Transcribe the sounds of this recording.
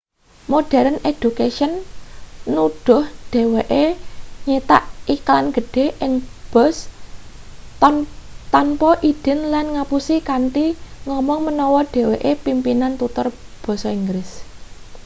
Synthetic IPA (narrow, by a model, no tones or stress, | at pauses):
moɖ̥ɛ̤ɾəned̥ukeʃənː | uɖ̥ɔ̤hɖ̥e̤weʔeɲet̪aʔiklanɡ̥ə̤ɖ̥e̤ʔɪŋb̥ɔs | t̪ɔnpɔʔid̥ɛ̤nlanŋapusikant̪iŋɔmɔŋmənɔwɔɖ̥e̤weʔepimpinant̪ut̪ʊrb̥ɔ̤sɔiŋɡɾɪs